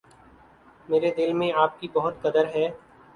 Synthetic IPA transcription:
meːɾed̪ɪlmẽaːp̚kibɐɦʊt̪kɐd̪əɾɦɛː

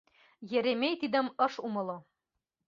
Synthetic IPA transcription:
jɘ̆ɾemejt̪id̪ɘ̆mɤʃumɤ̆lˠo

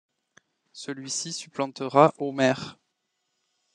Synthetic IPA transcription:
səlɥisisyplɑ̃t̪əʁaʔomɛːʁ

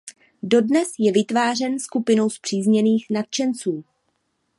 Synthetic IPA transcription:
do̞dnɛsjɛvɪt̪vaːr̝ɛnskupɪno̞wspr̝̥iːzɲɛniːxnat̪̚t͡ʃɛnt͡suː

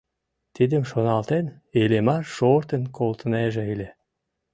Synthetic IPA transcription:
t̪id̪ə̆mʃonɑlt̪en | elemɑʃoɾt̪ə̆nkolt̪əneʒeilʲe

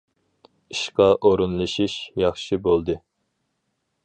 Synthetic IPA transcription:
iʃqɑʔoɾunlˠɨʃiʃjɑχʃɨbolˠd̪ɨ

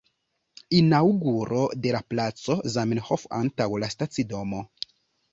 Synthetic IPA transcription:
inawɡuɾʔo̞de̞laplat͡so̞zaminhofa̰ntawlastat͡sido̞mo̞

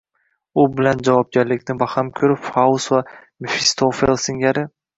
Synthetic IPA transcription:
ʊbɪland͡ʒavɒp̚ɡʲaɾlɪkʲnɪbahamkʲʰɵɾɪpfaʊsvamifɪst̪ʰofelˠsɪŋʲaɾɪ

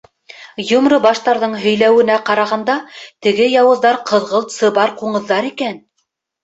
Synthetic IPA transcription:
jŏmɾɤbɑʃt̪ɑɾðɤɴɦɵ̆jlæwɘ̆næqɑɾɑʁɑnd̪ɑt̪ɘ̆ɡɘjɑwɤ̆ðːɑɾqʰɤ̆ðʁɤ̆lˠt̪sɤbɑɾquɴɤ̆ðːɑɾikæn

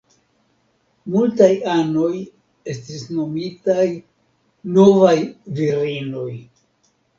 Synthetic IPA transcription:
multajano̞j | e̞stisno̞mitaj | no̞vajviɾino̞j

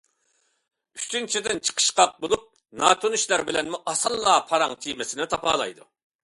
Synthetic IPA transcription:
y̥t͡ʃ̪ynt͡ʃʰid̪ɪnt͡ʃʰə̥qʰə̥ʃqɑq̚bolˠup̚ | nɑːt̪ʰoniʃlæɾbɪlɛnmuʔɑsɑlˠːɑːpʰɑɾɑŋt͡ʃ̪ʰimɪsɪnɪt̪ʰɑpɑ̰ːlˠɑ̰jd̪u

